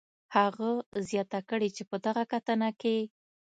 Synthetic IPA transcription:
haɣazjɑt̪akəɽit͡ʃepəd̪aɣakat̪ənake

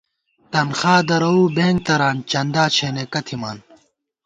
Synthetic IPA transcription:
t̪ɐnxaːd̪ɐɾɐuːbeːŋɡ̚t̪ɐɾaːnt͡ɕɐnd̪aːt͡ɕʰeːnekɐt̪ʰimaːn

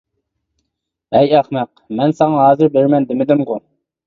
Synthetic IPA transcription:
ɛjæχmɛq | mɛnsɑŋɑɦɑːzɨɾbeɾmɛnd̪ɪmɪd̪ɪmʁʊ

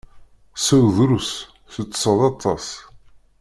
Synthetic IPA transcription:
sæwðɾus | θət͡sːsəðˤɑt̪ˤːɑs

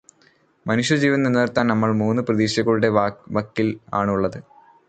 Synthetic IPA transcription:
mɐnuʂjɐd͡ʑiːʋɐninːert̪ːaːnnɐmːɐɭmuːnːɨprɐðiːɕjɐɣɐɭuɽe̞ʋɐkːila̰ːɳuɭːɐðɨ

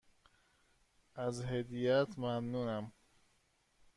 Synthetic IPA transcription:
æzɦed̪ijæt̪ʰmæmnuːnæm

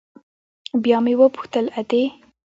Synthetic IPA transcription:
bjɑmewəpu̥xt̪əlat̪e

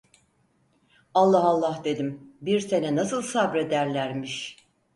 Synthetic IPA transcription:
alˠːaɦalˠːahd̪e̞d̪imbiɾse̞nɛnasɯlˠsabɾe̞d̪æɾlʲæɾmiʃ

